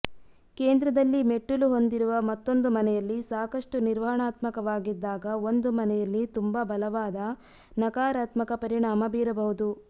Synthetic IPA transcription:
keːnd̪ɾɐd̪ɐlːime̞ʈːuluɦo̞nd̪iɾuʋɐmɐt̪ːo̞nd̪umɐnɛjɐlːisaːkɐʂʈuniɾʋɐɦɐɳaːt̪mɐkɐʋaːɡid̪ːaːɡɐo̞nd̪umɐnɛjɐlːit̪umbɐbɐlɐʋaːd̪ɐ | nɐkaːɾaːt̪mɐkɐpɐɾiɳaːmɐbiːɾɐbɐɦud̪u

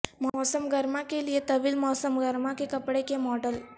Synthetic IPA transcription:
mɔsəmɡəɾmakelijet̪ɐʋilmɔsəmɡəɾmakekəpɽekemɔɖəl

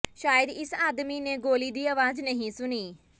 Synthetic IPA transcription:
ʃaːjəd̪ɪsaːd̪miːneːɡoːliːd̪iːəʋaːznəɦĩːsʊniː

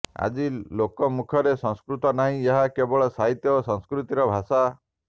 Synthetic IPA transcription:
a̰d͡ʒilokɔmukʰɔɾesɔ̃ŋskɾut̪ɔnaɦĩeɦakebɔɭɔsaɦit̪jɔosɔ̃ŋskɾut̪iɾɔbʱasa

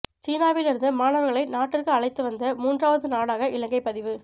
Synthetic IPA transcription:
t͡ʃiːnaːʋɪlɪɾɯnd̪ɯmaːnɐʋɐɾɣɐɭɐɪnaːʈːɪrkɯɐɭɐɪt̪ːɯʋɐnd̪ɐmuːndraːʋɐðɯnaːɽaːɣɐʔɪlɐŋɡɐɪpːɐðɪʋɯ

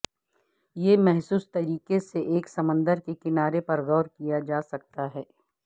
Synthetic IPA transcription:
jemɛɦsuːst̪ɐɾiːkeseʔeːksɐmə̃nd̪əɾkekɪnaːɾepɐɾɣɔːɾkijad͡ʒaːsɐk̚t̪aɦɛː

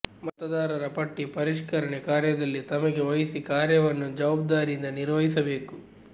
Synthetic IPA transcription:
mɐt̪ɐd̪aːɾɐɾɐpɐʈːipɐɾiʂkɐɾɐɳekaːɾjɐd̪ɐlːit̪ɐmɐɡeʋɐjisikaːɾjɐʋɐnːud͡ʒɐːb̚d̪aːɾiind̪ɐniɾʋɐɦisɐbe̞ːku

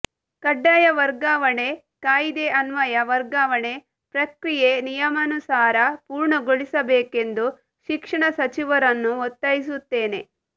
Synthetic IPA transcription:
kɐɖːajɐʋɐɾɡaːʋɐɳe | kaːjid̪eʔɐnʋɐjɐʋɐɾɡaːʋɐɳe̞ | pɾɐkɾijenijɐmɐnusaːɾɐpuːɾɳɐɡoɭisɐbeːke̞nd̪u | ʃikʂɐɳɐsɐt͡ʃiʋɐɾɐnːuɔt̪ːɐjis̬ut̪ːeːne̞

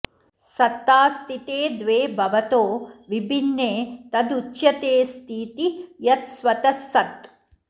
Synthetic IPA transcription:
sɐt̪ːaːst̪it̪eːd̪ʋeːbʱɐʋɐt̪oːʋibʱinːeːt̪ɐd̪utːjɐt̪eːst̪ʰiːt̪ijɐt̪sʋɐt̪ɐsːɐt̪

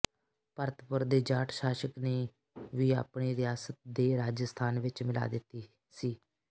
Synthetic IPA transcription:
pəɾt̪ʰəpʊɾd̪eːd͡ʒaːʈʰʃaːʃəkneː | ʋiːa̰ːpɳiːɾɪjaːsət̪̚d̪eːɾaːd͡ʒəst̪ʰaːnʋɪt͡ʃmɪla̰ːd̪ɪt̪ːiː | siː

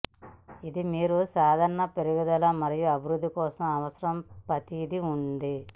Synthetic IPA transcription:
id̪imiːɾusaːd̪ʱɐɾɳɐpeɾuɡud̪ɐlɐmɐɾijuɐbʱiɾud̪ʱːikɔːsɐmɐʋɐsɐɾɐmpɐt̪id̪iund̪i

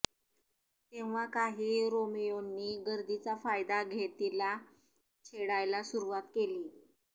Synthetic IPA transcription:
t̪eʋ̤akaɦiːɾomejonːiːɡəɾd̪it͡safajd̪aɡʱet̪ila | t͡ɕʰeɽajlasuɾuʋat̪keliː

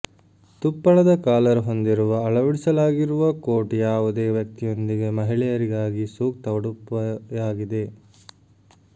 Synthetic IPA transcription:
t̪upːɐɭɐd̪ɐkaːlɐɾuɦo̞nd̪iɾuʋɐːɭɐʋɐɽisɐlaːɡiɾuʋɐkoːʈijaːʋud̪eːʋjɐk̚t̪ijo̞nd̪iɡe̞mɐɦiɭɛjɐɾiɡaːɡisuːk̚t̪ɐʋɐɽupːɐjaːɡid̪e̞

